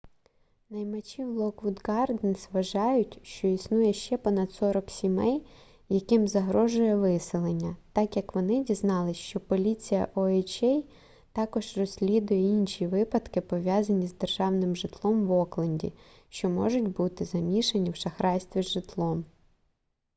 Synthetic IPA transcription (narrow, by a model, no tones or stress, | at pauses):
nɐjmɐt͡ʃʲiwlˠɔkʋud̪ɡɑrd̪ɛnsʋɐʒɑjʊtʲʃt͡ʃɔisnujɛʃt͡ʃɛpɔnɐd̪sɔɾɔksʲimɛj | jɐkɪmzɐɦɾɔʒʊjɛʋɪsɪlˠenʲːɐt̪ɑkjɐkʋɔnɪdʲiznɑlˠɪʃt͡ʃɔpɔlʲit͡sʲijɐ̰ʔɔɛt͡ʃɛj | t̪ɑkɔʒrɔsʲlʲid̪ʊjɛinʃʲiʋɪpɐd̪kɪpɔʋʲjɑzɐnʲizd̪erʒɑwnɪmʒɪt̪lˠɔmʋɔklˠɐnʲdʲḭ | ʃt͡ʃɔmɔ̰ʒʊtʲbut̪ɪzɐmʲiʃenʲiwʃɐxɾɑjsʲt̪ʋʲizʒɪt̪lˠɔm